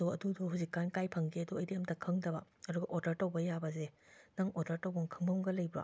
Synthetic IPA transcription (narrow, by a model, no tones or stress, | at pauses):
uɐduduɦuzikːankajpʰɐŋɡeɐduɐjdiɐmtɐkʰɐŋdɐbɐɐduɡɐʔoɾdɐɾtɐwbɐjabɐzenɐŋoɾdɐɾtowɡuŋkʰɐŋbɐmɡɐlɐjbɾa̰